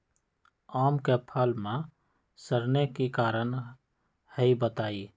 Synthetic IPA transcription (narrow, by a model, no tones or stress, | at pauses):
aːmkepʰəlmẽ | səɾnekikaːɾən | həibət̪aːi